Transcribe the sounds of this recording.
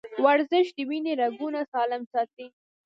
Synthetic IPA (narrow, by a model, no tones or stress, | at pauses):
waɾzɪʃd̪əwineɾaɡunasɑlɪmsɑt̪i